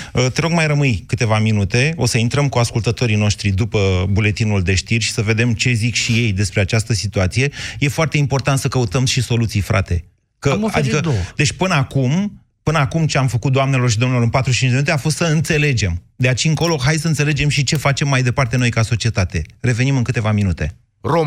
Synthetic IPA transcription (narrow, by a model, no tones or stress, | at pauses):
ət̪eɾo̞ɡmajrəmɨjkɨt̪e̞vaminut̪e̞o̞səint̪ɾəmkuaskult̪ət̪o̞ɾino̞ʃt̪ɾid̪upəbule̞t̪inuld̪e̞ʃt̪irʲʃi̥səve̞d̪e̞mt͡ʃe̞zikʃije̞jd̪e̞spɾeat͡ʃast̪əsit̪uat̪sije̞je̞foart̪eimpo̞rt̪ant̪səkəut̪əmʃiso̞lut̪sijfɾa̰t̪e̞ | kəa̰d̪ikəd̪e̞t͡ʃʲpɨnəakum | pɨnəakumt͡ʃe̞amfəkut̪̚d̪oamne̞lo̞rʃid̪omnelo̞ɨnpat̪ɾuʃt͡ʃint͡ʃd͡ʒd̪eminut̪eafo̞st̪səɨnt̪se̞le̞d͡ʒe̞md̪eat͡ʃiɨŋko̞lo̞ɦajsəɨnt̪se̞led͡ʒe̞mʃit͡ʃe̞fat͡ʃe̞mːajd̪e̞part̪e̞no̞jkaso̞t͡ʃiet̪at̪e̞re̞ve̞nimɨnŋkɨt̪e̞vaminut̪e̞ | ro